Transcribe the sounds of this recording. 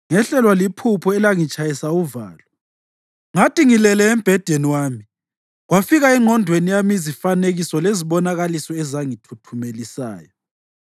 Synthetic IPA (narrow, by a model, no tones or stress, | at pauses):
ŋɛɬɛlwalipʰupʰɔɛlaŋit͡ʃʼajisauva̰ːlɔ | ŋatʼiŋilɛlɛːm̩b̥ʱɛd̥ʱeniwaːmi | ɣwafiɣaɛŋʱɔndʱwenijamizifaneɣisɔleziɓɔnaɣalisɔɛzaŋitʰutʰumelisa̰ːjɔ